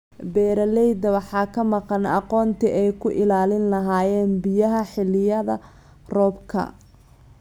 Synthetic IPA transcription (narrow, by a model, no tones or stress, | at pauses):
bɛːɾɐlɛjd̪ɐwɑħɑːkʰɐmɑqɑnɑ̰qɔːnt̪ʰiʔɛjkʰʊʔɪlaːlɪnlɐɦaːjɛːnbɪjɐɦɐħɪlːɪjɐðɐ̰ | rɔːbkʰɐ̰